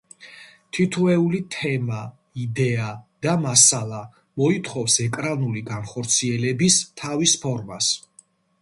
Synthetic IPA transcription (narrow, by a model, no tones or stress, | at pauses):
t̪ʰit̪ʰuɛulit̪ʰɛma | id̪ɛad̪̥amasalˠa | mɔit̪ʰχɔfsɛkʼɾanuliɡanχɔɾt̪sʰiɛlɛbist̪ʰavispʰɔɾmas